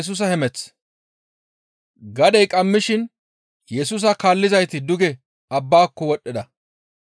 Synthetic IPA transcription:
s̬uːs̬ɐhɛmɛt͡s | ɡɐd̪ɛjkʼɐmːɪʃɪn | jɛs̬uːs̬ɐkaːlːɪzɐjt̪ɪd̪ʊɡɛ | ɐbːaːkːɔwɔɗːɪd̪ɐ

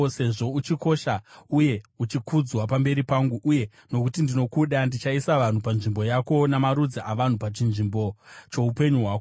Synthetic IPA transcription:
se̞ʐo̞ut͡ʃiko̞ʃauje̞ut͡ʃikʰud͡zwapambe̞ɾipaŋɡuʔuje̞ | no̞kutindino̞kuɗandit͡ʃaisaʋan̤upanʐimbo̞jako̞namaɾud͡ziʔaʋan̤upat͡ʃinʐimbot͡ʃo̞upe̞ɲuɦwaːko

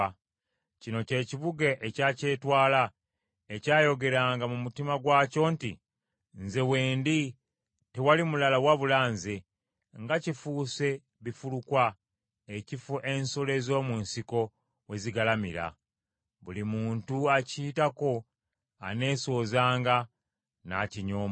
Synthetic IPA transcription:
cino̞ce̞ːciβuɡeʔecace̞twaːla | ecaːjo̞ɡe̞ɾaːŋɡamumutimaɡwaːco̞ːntḭ | nze̞weːndi | tewalimulalawaβulaːnze | ŋɡacifuːse̞ | βifulukwa | ecifuʔensole̞zo̞ːmuːnsiko̞ | we̞ziɡalamḭɾa̰ | βulimuːntuaciːtako̞ | a̰ne̞ːso̞ːzaːŋɡa | na̰ciɲoːma

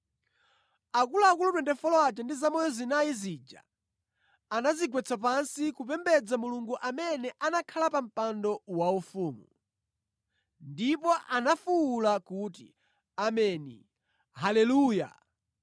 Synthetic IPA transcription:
akulaːkulutwɛndɛfɔlɔat͡ʃɛndizamɔjɔzinajizid͡ʒa̰ | anaziɡwɛt͡sʰap̬ansikup̬ɛmbɛd͡zamuluŋɡuʔamɛnɛʔanakʰalapam̩pandɔwaufuːmṵ | ndipɔʔanafuːlakutḭ | amɛnḭ | halɛluːja̰

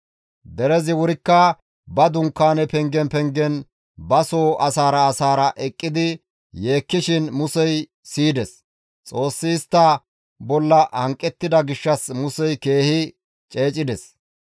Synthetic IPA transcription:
d̪ɛɾɛzɪwʊɾɪkːɐ | bɐd̪ʊŋkːaːnɛpɛŋɡɛnpɛŋɡɛn | bɐsoːʔɐsaːɾɐːsaːɾɐʔɛkʼːɪd̪ɪ | je̞ːkːɪʃɪnmʊsɛj | siːd̪ɛs | t͡sʼo̞ːsːɪːst̪ːɐ | bɔlːɐʔɐŋkʼːɛt̪ːɪd̪ɐɡɪʃːɐsmʊsɛjke̞ːhɪ | t͡ʃʼe̞ːt͡ʃʼɪd̪ɛs

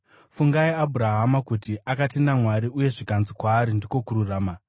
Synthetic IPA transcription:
fuŋɡaiabʱuɾaɦamakutiʔakatinamwaɾiuje̞ʐikanzikwaːɾindiko̞kuɾuraːma

